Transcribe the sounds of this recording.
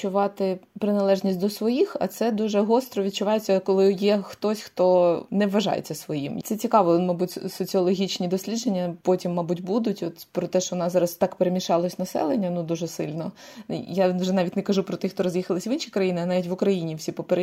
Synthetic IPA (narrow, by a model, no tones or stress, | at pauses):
t͡ʃʊʋɑt̪ɪpɾɪnɐlˠɛʒnʲisʲtʲd̪ɔsʋɔjixɐ̰t̪sɛd̪uʒɛɦɔst̪ɾɔʋʲid̪̚t͡ʃʊʋɑjet͡sʲːɐkɔlˠɪjɛxt̪ɔsʲxt̪ɔnɛʋːɐʒɑ̰jḛt͡sʲːɐsʋɔjḭmt̪ɛt͡sʲikɑʋɔmɐbutʲsɔt͡sʲiɔlˠɔɦʲit͡ʃnʲid̪ɔsʲlʲid̪d͡ʒenʲːɐpɔtʲimːɐbutʲbud̪ʊtʲɔt̪pɾɔt̪ɛʃt͡ʃɔʋɔnɑzɑɾɐst̪ɑkpeɾemʲiʃɑlˠɔsʲnɐsɛ̰lˠenʲːɐnud̪uʒɛsɪlʲnɔjaʋʒɛnɑʋʲitʲnɛkɐʒupɾɔt̪ɪxt̪ɔɾɔzʲjixɐlˠɪsʲʋinʃikɾɐjinɪɐnɑʋʲitʲʋʊkɾɐjinʲiwsʲipɔpeɾ